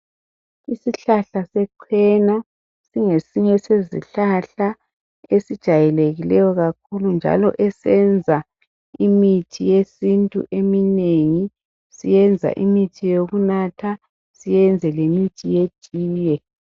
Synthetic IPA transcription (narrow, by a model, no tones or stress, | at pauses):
isiɬaɬasɛǃʰwɛna | siŋesiɲɛsezḭɬaɬa | esid̥ʒ̥ʱajɛleɣilɛjɔɣakʰulund͡ʒʱa̰lɔʔɛsɛnd͡zʱa | imitʰijesintʼṵʔemineŋi | sijɛnd͡zʱa̰ʔimitʰijoɣunatʰa | sijɛnd͡zʱɛlemitʰije̥ʒ̥ʱʼiːjɛ